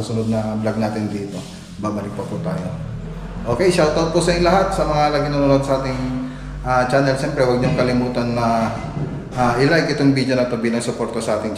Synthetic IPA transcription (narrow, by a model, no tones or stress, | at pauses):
sʊnod̪̚nɐblaɡ̚naːt̪ɪnd̪iːt̪o̞ | baːbɐlɪk̚pɐput̪aːjo̞ | ʔo̞ːkɛjʃawt̪awt̪̚pʊsɐɪŋlɐɦat̪̚sɐmɐŋalɐɡɪnononod̪sɐʔaːt̪ɪŋ | ʔat͡ʃaːnɛlsɛmpɾɛwɐɡ̚ɲʊŋkɐlɪmuːt̪ɐnːɐ | ʔaʔɪlajkʔɪt̪oŋbid͡ʒjonɐt̪o̞biːlɐŋsʊpo̞ɾt̪ɐsɐʔaːt̪ɪŋ